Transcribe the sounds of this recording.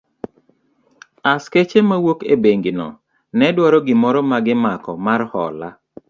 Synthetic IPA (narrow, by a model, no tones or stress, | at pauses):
asket͡ʃemawokḛbeŋɡɪnɔ̰ | nɛdwaɾɔɡɪmɔɾɔmaɡɪmakɔ̰marhɔ̰la